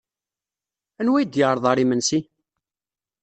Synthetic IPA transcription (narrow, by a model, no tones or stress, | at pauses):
ænwæjd̪jəɾˤðˤɑɾˤimənsi